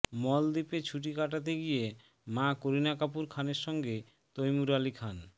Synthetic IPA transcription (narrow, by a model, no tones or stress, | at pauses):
mɔld̪ipet͡ɕʰuʈikaʈat̪̬eɡije | mãkoɾinakapuɾkʰaneɾʃɔŋɡe | t̪ojmuɾalikʰan